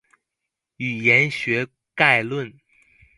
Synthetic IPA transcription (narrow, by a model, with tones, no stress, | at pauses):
y˨˩jɛ˧˥nɕɥɛ˧˥ | ka˥˧ɪlwə˥˩n